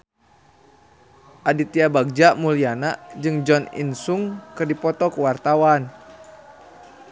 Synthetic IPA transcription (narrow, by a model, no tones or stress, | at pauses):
ʔadit̪iabaɡ̚d͡ʒaʔmulianaʔd͡ʒɨŋd͡ʒɔnḭnsuŋkɨrdipɔt̪ɔkwart̪awan